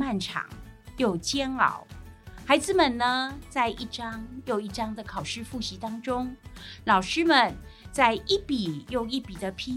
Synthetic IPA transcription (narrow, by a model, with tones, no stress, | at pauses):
ma˥˩nʈ͡ʂʰɑ̰˨˩˦ŋjo˨˩ʊt͡ɕjɛ˥nɑ̰˨˩˦ʊxa˨˧˥ɪd͡z̩˨mə˨˩nnə˩t͡sa˥˧ɪʔi˥˩ʈ͡ʂɑ˥ŋjo˨˩ʊi˥˩ʈ͡ʂɑ˥ŋd̪ə˨kʰɑ˨˩ʊʂɻ̩˥˧fu˥˩ɕi˧˥t̪ɑ˥ŋʈ͡ʂʊ˥ŋlɑ˨˩ʊʂɻ̩˥mə˨n | t͡sa˥˩ɪi˥˩pi˨˩jo˥˩ʊi˥˩pi˨˩d̪ə˦pʰi˥